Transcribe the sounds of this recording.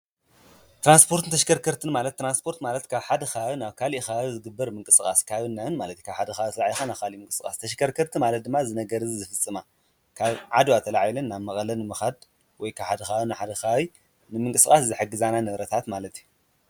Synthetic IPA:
t̪ɾanspʰo̞ɾt̪ʰɨnt̪ʰɐʃ̬kɐɾkʰɐɾt̪ʰɨnmalɐt̪ːɾanspʰo̞ɾt̪malɐt̪kʰaβħad̪ɐxanaβkʰalixazɨɡɨbːɐɾmɨŋkʼɨsʼɨkʼa̰skʰaβɨnːaɨnmalɐt̪i̥kʰaβħad̪ɐxat̪ʰɐlaʕjxanaβkʰalimɨŋkʼɨsɨkʼa̰st̪ʰɐʃkʰɐɾkʰɐɾt̪ʰɨmalɐt̪̚d̪ɨmːazɨnɐɡɐɾɨzizɨfɨt͡sʼːɨma | kʰaβʕad̪uat̪ʰɐlaʕjilɐnːaβmɐkʼɐlɐnɨmɨxad̪ | wɔjkʰaβħad̪ɐxaɨnɨħad̪ɐxawij | nɨmɨŋkʼɨsɨkʼaszɨħɨɡɨzananɐβɾɐt̪ʰat̪malɐt̪iju

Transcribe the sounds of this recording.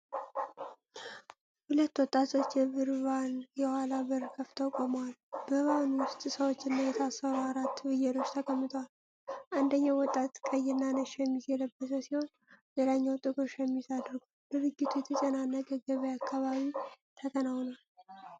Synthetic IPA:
hulət̪ːwɔt̪ʼːat̪ʰo̞t͡ʃːjɛβɨɾβanjɛhalaβɨɾkʰəft̪ʰəkʼomwalb̥əβanwʊst̪ʼsəwot͡ʃːɪnːajɛt̪ʰasːəɾuaɾat̪ːbɨjɛlo̞t͡ʃːt̪ʰəkʰʼəmːɨt̪ʰwal | ʔand̪əɲːawɔt̪ʼːat̪kʼəjɪnːanəʃjɛmːizɛləbːəsəsiho̞n | jelaɲːawt̪ʼɨɡoʃjɛmːisad̪ɾɡud̪ɨɾɨɡːit̪ʰujɛt̪ʰət͡ʃʼənanːəɡʼəɡəβəjakʰːaβaβit̪ʰəkʰʼənawnal

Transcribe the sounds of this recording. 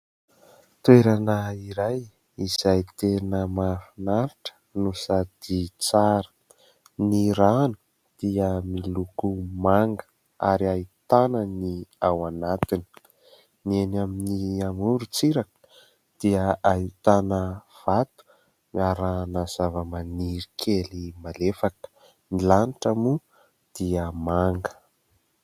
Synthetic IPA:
t̪ueɾanəiɾaj | iz̥ajt̪enəmafinaɾiʈ͡ʂə̥nusad̪̥it͡saɾə̥ | niɾanu̥ | d̪̥iəmilukumaŋɡə̥ | a̰ɾiait̪anəniawanat̪ini̥ | nienaminiamuɾut͡siɾakə̥ | d̪̥iəait̪anəv̥at̪u̥ | aɾanaz̥avəmaniɾikʰelimalefakə̥ | milaniʈ͡ʂamu | d̪̥iəmaŋɡə̥

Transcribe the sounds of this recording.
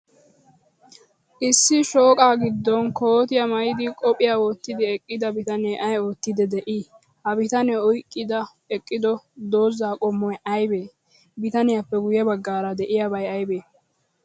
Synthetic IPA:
ʔɪsːɪʃoːkʼaːɡɪd̪ːɔnkʰo̞ːt̪ɪjɐmɐjɪd̪ɪkʼɔpʼɪjaːwɔt̪ːɪd̪ɪɛkʼːɪd̪ɐbɪt̪ɐnɛjʔɐjo̞ːt̪ːɪd̪ɛd̪ɛʔi | hɐbɪt̪ɐnɛɔjkʼːɪd̪ɐ | ɛkʼːɪd̪ɔd̪o̞ːzːaːkʼɔmːɔjʔɐjbeː | bɪt̪ɐnɪjapːɛɡʊjɛbɐɡːaːɾɐd̪ɛʔɪjabɐjɐjbeː

